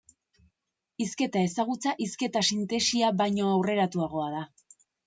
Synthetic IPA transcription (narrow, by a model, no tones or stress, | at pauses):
iske̞t̪ae̞saɣ̞ut͡saʔiske̞t̪asint̪e̞siaβajɲo̞awre̞ɾat̪uaɣ̞o̞aða